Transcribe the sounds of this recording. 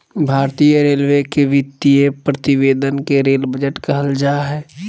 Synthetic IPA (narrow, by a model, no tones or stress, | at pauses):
bʱaːɾt̪ijəɾeːlʋekeʋɪt̪ːijepɾət̪ɪbeːd̪ənkeɾeːlbəd͡ʒəʈkəɦəld͡ʒaɦɛː